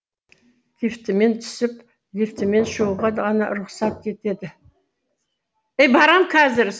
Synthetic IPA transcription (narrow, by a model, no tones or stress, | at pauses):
d̪ift̪ɪme̞nt̪ʰʏ̥sɪp | d̪ʲift̪ɪme̞nʃoʁɑd̪ʁɑnɑ̰ɾʊχsɑt̪̚kʲʰe̞t̪e̞d̪ɪ | ejbɑɾɑmkʰɑzɪɾ